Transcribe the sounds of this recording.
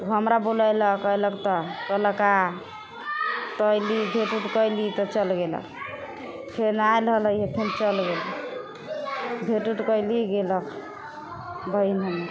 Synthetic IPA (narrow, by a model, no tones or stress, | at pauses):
t̪uɦəmɾabolajləkəjləkt̪ɔkələka | t̪əjlibʱeʈuʈkəjlit̪ɔt͡ʃəlɡelə̰k̚ | pʰenajlɦələɦepʰent͡ʃəlɡel | bʱeʈuʈkəjliɡelək | bəinɦəmeɾ